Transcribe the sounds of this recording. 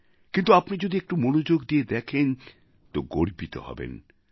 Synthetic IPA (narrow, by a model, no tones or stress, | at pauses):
kint̪uapnid͡ʑod̪iek̚ʈumonod͡ʑoɡd̪ied̪ɛkʰen | t̪oɡoɾbit̪o̰hɔ̰bḛn